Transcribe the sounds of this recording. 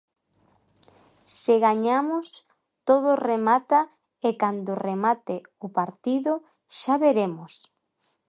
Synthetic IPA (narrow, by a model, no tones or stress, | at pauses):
sɪɣaɲamʊs | t̪oðʊremat̪a | ekand̪ʊremat̪ɪʊpaɾt̪iðʊ | ʃaβeɾemʊs